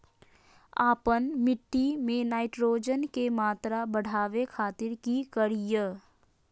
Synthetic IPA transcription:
aːpənmɪʈːimẽnaːɪʈɾoːd͡ʒənkemaːt̪ɾabəɽ̤ʱaːʋekʰaːt̪ɪɾkikəɾijə

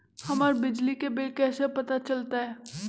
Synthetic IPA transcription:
hɐmaːɾbɪd͡ʒlikebɪlkɛːsepɐt̪at͡ʃɐlt̪aɦɛː

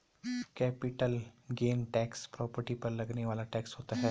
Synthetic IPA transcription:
kɛpiʈəlɡenʈɛkspɾɔpəɾʈipəɾləɡneʋalaʈɛksɦot̪aɦɛ

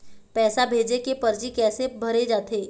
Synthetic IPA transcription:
pɛːsabʱeːd͡ʒekepɐɾd͡ʒikɛːsebʱɐɾed͡ʒaːt̪ʰeː

